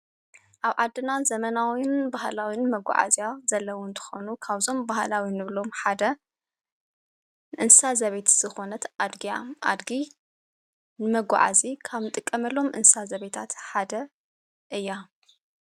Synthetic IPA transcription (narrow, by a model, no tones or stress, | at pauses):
ʔaβʕa̰d̪ːɨnazɐmɐnawinbahlawinmɐɡʷa̰ʕa̰ziazɐlːɐwʊnt̪ʰɨ̥xo̞nukʰaβzo̞mbahlawinɨβlo̞mħad̪ɐ | nɨʔɨnsazɐβet̪z̥ɨxo̞nɐt̪ʔad̪ɡijaʔa̰d̪ɡi | nɨmɐɡʷa̰ʕa̰zikʰaβnɨt̪ʼɨkʼːɐmɐlːo̞mʔɨ̰nsazɐβet̪ʰat̪ħad̪ɐ | ʔɨjːa